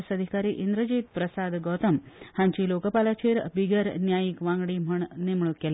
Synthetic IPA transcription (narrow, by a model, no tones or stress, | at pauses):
səd̪ʱikaɾiːʔind̪ɾəd͡ʑiːt̪̚pɾəsad̪ɡɔt̪əmhãɲt͡ɕiːlokəpalat͡ɕiːɾbiɡəɾnjajikʋãŋɡɽiːm̤əɳnemɭukel